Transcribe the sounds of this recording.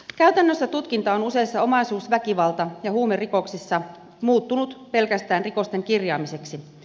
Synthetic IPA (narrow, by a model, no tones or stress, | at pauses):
kæyt̪ænːøsːæt̪ut̪kint̪ɑonuse̞isːɑo̞mɑisuːsʋækiʋɑlt̪ɑjɑhuːmeriko̞ksisːɑ | muːt̪ːunut̪pe̞lkæst̪æːnriko̞st̪e̞ŋkirjɑːmise̞ksi